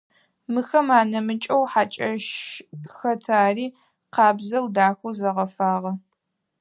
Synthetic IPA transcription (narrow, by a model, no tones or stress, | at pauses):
mɨxɐmaːnɐmɨt͡ʃʼɐwħat͡ʃʼɐʃxɐtʰaːriː | qɑːbzɐwdaːxʷuzɐʁɐfaːʁɐ